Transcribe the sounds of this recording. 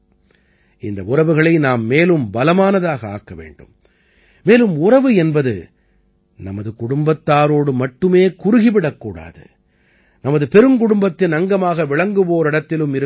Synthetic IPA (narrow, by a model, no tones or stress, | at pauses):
ɪnd̪ɐʊrɐʋɯɣɐɭɐɪnaːmːeːlɯmbɐlɐmaːnɐðaːɣɐa̰ːkːɐʋḛːɳɖɯ̰mː | eːlɯmʊrɐʋɯɛnbɐðɯ̰ | nɐmɐðɯkʊɽʊmbɐt̪ːaːɾoːɽɯmɐʈːɯmeːkʊɾɯɣɪʋɪɽɐkːuːɽa̰ːðɯ̰ | nɐmɐðɯpɛɾɯmkʊɽʊmbɐt̪ːɪnɐŋɡɐmaːɣɐʋɪɭɐŋɡɯʋoːɾɪɽɐt̪ːɪlɯmɪɾɯ